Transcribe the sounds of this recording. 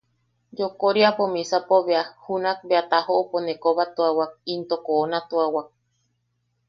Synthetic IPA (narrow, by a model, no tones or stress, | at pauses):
d͡ʒokoɾiapomĩsapoβeahunãk̚beat̪ahoːponẽkoβat̪uawak̚int̪okoːnãt̪uawak̚